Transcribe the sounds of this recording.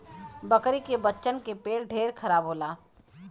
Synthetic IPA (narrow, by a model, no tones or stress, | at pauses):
bəkɾikebətːʃənkepeːɾɖʱeːɾkʰɐɾaːbɦoːlaː